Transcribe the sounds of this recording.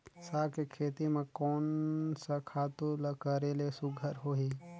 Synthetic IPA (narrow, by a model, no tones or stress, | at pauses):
saːkekʰeːt̪imẽkoːnsakʰaːt̪ulɐkəɾelesʊɡʱəɾɦoːɦi